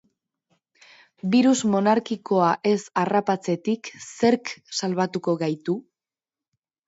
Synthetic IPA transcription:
biɾuzmo̞naɾkiko̞aʔe̞sarapat͡se̞t̪ikse̞ɾksalβat̪uko̞ɣajt̪u

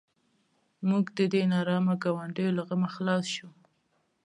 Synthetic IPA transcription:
muɡd̪əd̪enɑɾɑmaɡawaɳɖəjolaɣəmaxlɑsʃu

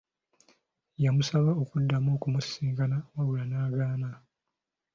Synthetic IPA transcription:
jamusaβaokudːamoːkumusiːŋɡanawawulanaːɡaːna

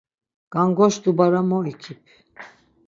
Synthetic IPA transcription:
ɡ̥aŋɡɔʃd̪ubaɾamɔɛkʰipʰ

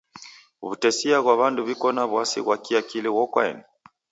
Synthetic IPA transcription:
βutɛsiaɣwaβanduβikɔnaβwasḭɣwakiakilɛwɔkwa̰ɛ̰ni

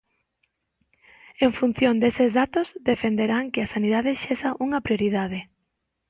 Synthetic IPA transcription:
eɱfun̟θjond̪esezðat̪ʊzd̪efend̪eɾaŋkɪɐsaniðaðɪʃesɐʔuŋɐpɾjoɾið̞að̞ɪ

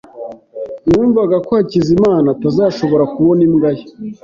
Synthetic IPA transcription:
nuːɱvaɡakohacizimaːnatazaːʃo̞βo̞ɾakuβo̞nimɡaje

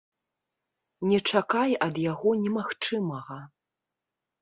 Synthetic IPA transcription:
nʲɛt͡ʂakajɐd̪jaɣɔnʲɛmaxt͡ʂɨmɐɣɐ

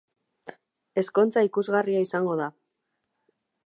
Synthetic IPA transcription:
e̞sko̞nt͡saikuzɣariaisaŋɡo̞ð̞a

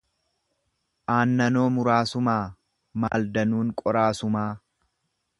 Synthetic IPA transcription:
ʔaːnːɐnoːmʊɾaːsʊmaː | ma̰ːld̪ɐnuːŋkʼɔɾaːsʊmaː

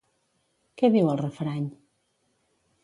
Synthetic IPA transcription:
kɛβiwəlˠrəfɾaɲ

